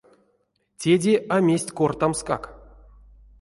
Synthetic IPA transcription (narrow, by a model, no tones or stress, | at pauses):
tʲedʲeamʲesʲtʲkort̪amska̰k